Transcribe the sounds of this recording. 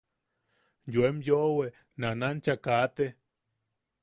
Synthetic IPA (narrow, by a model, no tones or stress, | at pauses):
jwemjoʔwe | nanant͡ʃakat̪e